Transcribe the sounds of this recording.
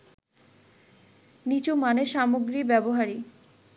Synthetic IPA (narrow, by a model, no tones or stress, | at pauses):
nit͡ɕomaneʃamoɡɾibɛboɦaɾi